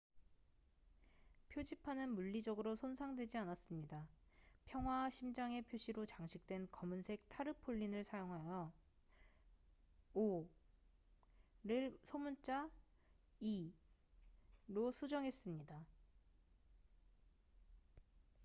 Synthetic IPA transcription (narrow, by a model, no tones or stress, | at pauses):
pʰjod͡ʑipʰanɯnmuʎːid͡ʑʌɡɯɾosʰonsʰaŋdwe̞d͡ʑianas͈ɯmɲidapʰjʌŋɦwaɕʰimd͡ʑaŋe̞pʰjoɕʰiɾot͡ɕaŋɕʰik̚t͈we̞nkʌmɯnsʰe̞k̚tʰaɾɯpʰoʎːinɯɭsʰajoŋɦajʌ | o | ɾɯɭsʰomunt͡ɕ͈a | i | ɾosʰud͡ʑʌŋɦe̞s͈ɯmɲida